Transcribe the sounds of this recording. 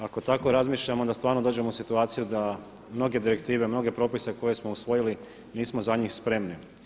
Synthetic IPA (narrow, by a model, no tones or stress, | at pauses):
ako̞t̪ako̞ɾazmiːʃʎamoond̪ast̪ʋaːɾnod̪oːd͡ʒe̞mousit̪uaːt̪sijud̪a | mno̞ɡe̞d̪iɾe̞kt̪iːʋe̞mno̞ɡe̞pɾo̞ːpise̞ko̞je̞smo̞usʋo̞jili | niːsmo̞zaɲiːxspɾe̞mni